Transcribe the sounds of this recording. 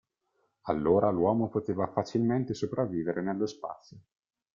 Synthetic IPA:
alːoːɾʔalwɔːmopot̪eːvafat͡ʃilment̪esopɾavːiːveɾʔenelːospa̰t̪sːjo

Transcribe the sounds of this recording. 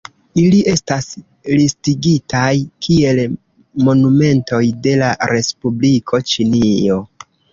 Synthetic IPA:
iliʔe̞stas | listiɡitajkʰie̞l | mo̞nume̞nto̞jde̞laɾe̞spublikʰo̞t͡ʃinio̞

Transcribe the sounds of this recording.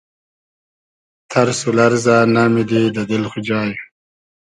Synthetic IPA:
t̪ʰaɾsulaɾzanamid̪id̪əd̪ɪlxud͡ʒɑːju

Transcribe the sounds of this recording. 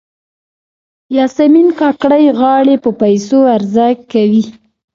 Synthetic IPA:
jɑsaminkɑkɽajɣɑɽepəpajsoaɾzaɡkawi

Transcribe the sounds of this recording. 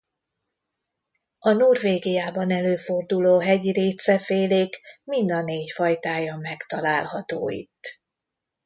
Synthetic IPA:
ɒnurveːɡijaːbɒnɛløːfo̞rd̪uloːɦɛɟiɾeːt̪sɛfeːleːkmind̪ɒneːcfɒjt̪aːjɒmɛkt̪ɒlaːlhɒt̪o̰ːḭt̪ː

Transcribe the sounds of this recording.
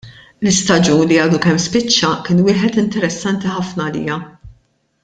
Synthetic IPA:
lɪst̪ɐd͡ʒuːnliɐːd̪ukɛmːspɪt͡ʃːɐkɪːnwɪːħɛt̪ɪnt̪ɛɾɛsːɐnt̪iħɐfnɐːlḭːjɐ

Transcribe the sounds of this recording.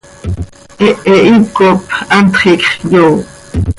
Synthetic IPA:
ʔeeʔip̚kopant̪χiːkʼχjow

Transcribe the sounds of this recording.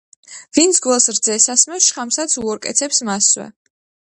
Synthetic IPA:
vint̪sʰɡwɛlˠsɾd̪zɛsasmɛsʃχamsat̪sʰuɔɾkʼɛ̰t̪sʰɛpsmaswɛ̰

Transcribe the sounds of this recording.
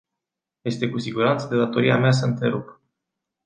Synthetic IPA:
je̞st̪e̞kusiɡuɾant̪səd̪e̞d̪at̪o̞ɾia̰meas̬əɨnt̪ɾe̞ɾup

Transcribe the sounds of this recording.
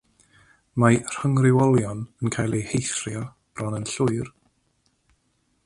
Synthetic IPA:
mar̥həŋrɪwɔlˠjɔnənkʰajlˠihejθrjɔ | b̥rɔnənɬʊɨr

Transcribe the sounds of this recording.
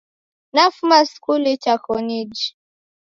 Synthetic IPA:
nafumaskulit͡ʃakɔnid͡ʒi

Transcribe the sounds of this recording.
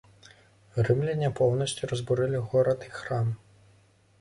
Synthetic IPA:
ɣɾɨmlʲinʲɛpɔwnɐsʲt͡sʲuɾɐzbuɾɛlʲiɣɔɾɐt̪ixram

